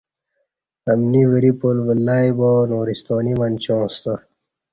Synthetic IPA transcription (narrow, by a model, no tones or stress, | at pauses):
ɐmniwiɾipoːlʋəlːaːibonoːɾist̪oːnimanʲt͡ɕõːst̪ə